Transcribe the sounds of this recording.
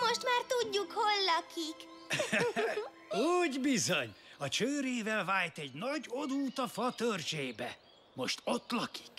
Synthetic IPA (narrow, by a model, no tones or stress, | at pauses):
mo̞ʃt̪maːrt̪uɟːukholːɒkik | uːɟbizo̞ɲɒt͡ʃøːɾeːvɛlvaːjt̪ɛɟnɒɟo̞d̪uːt̪ɒfɒt̪ørʒeːbɛ | mo̞ʃt̪o̞t̪ːlɒki̥k